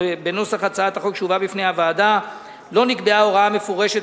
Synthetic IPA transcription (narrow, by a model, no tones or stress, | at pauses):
ebeno̞saχat͡saat̪aχokʃuvabifnejhavaːd̪a | lo̞nikbeao̞ʁaame̞foʁe̞ʃet